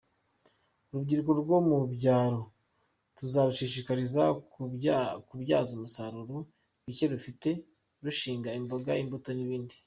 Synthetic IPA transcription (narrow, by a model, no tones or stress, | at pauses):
ɾubɟiːɾɡo̞ɾɡo̞mubɟaːɾo | ɾuzaɾuʃiʃikaɾiza | kubjaːzomusaɾuɾu | βiceɾufite̞ | ɾuʃiːŋɡaimboɡaimbuto̞niβiːndi